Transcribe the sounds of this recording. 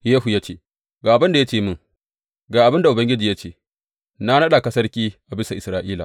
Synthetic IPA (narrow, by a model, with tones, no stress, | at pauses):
jeː˦hu˨ja˦t͡ʃeː˦˨ | ɡaː˨ʔabɐ˦nda˨ja˦t͡ʃeː˦˨mʊ˦ŋ | ɡaː˨ʔa˨bɪ˦nda˨ʔʊ˨bɐ˦ŋɡʲɪ˦d͡ʒiː˨ja˦t͡ʃeː˦˨ | na˦nɐ˦ɗa˨kɐ˦sɐ˦rkʲiː˦ʔa˨bɪ˦sa˨ʔɪ˨sɾaː˦˨ʔiː˦la̰˨